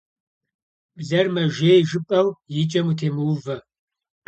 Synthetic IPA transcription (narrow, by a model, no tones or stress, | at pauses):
bzɐrmɐʒeːjʒɨpʼɐwjɪt͡ʃʼɐmutʰeːmɨwvɐ